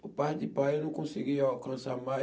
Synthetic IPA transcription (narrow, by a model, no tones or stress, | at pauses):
upad͡ʒipaenũkũsiɡiɔkãsama